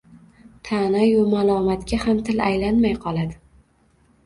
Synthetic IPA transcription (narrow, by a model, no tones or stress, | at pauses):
t̪ʰanajʊmalˠɒmat̪kʲahamt̪ʰɪlajlanmajqʰɒlˠad̪ɪ